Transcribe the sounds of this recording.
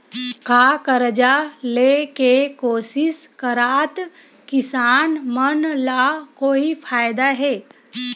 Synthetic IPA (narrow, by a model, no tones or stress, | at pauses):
kaːkəɾd͡ʒaleːkekoːsɪskəɾaːt̪ | kɪsaːnmənlaːkoːipʰaːjd̪aɦɛː